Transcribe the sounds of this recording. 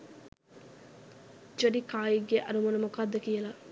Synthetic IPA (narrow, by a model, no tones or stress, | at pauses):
d͡ʒoɖikaːiɡːeʔɐɾumonumokaːd̪ːɐkijela